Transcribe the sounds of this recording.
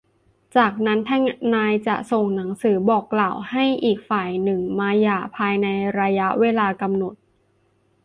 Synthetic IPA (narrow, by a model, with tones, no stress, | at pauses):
t͡ɕaː˨˩k̚na˦˥nt̪ʰɛ˦˥ŋnaː˧jt͡ɕa̰˨˩so˨˩ŋna˩˦ŋsɯː˩˦bɔː˨˩kːlaː˨˩wha˥˩jʔiː˨˩k̚faː˨˩jnɯ˨˩ŋmaː˧jaː˨˩pʰaː˧jna˧jɾa˧ja˦˥ʔweː˧laː˧ka˧mno˨˩t̪̚